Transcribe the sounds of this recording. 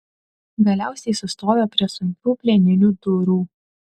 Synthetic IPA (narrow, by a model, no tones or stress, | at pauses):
ɡɐlʲæˑʊsʲɛɪsʊst̪oːjʲoːpʲɾʲiɛsʊŋʲkʲuːpʲlʲɛnʲɪnʲuːd̪ʊɾuː